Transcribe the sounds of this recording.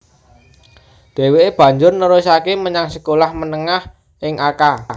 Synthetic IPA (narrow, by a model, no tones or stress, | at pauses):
d̪̥e̤weːb̥ä̤ɲd͡ʒʊrnəɾusakeməɲaŋsəkolahmənəŋah | ʔɪŋaka